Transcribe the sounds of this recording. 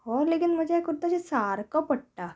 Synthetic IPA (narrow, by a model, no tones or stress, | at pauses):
ɔːɾleːkɪnmɐd͡ʒakʊɾt̪at͡ʃʰesaːɾkapɐʈʈaː